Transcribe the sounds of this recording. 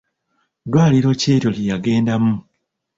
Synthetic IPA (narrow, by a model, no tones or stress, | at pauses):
dwaːliɾo̞ceːto̞lijaɡe̞ːndamu